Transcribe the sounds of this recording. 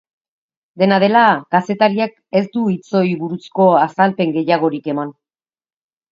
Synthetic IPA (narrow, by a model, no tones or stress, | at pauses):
d̪e̞nað̞e̞lakase̞t̪aɾiak | e̞sd̪uit͡so̞jβuɾusko̞asalpe̞ŋɡe̞jaɣ̞o̞ɾike̞man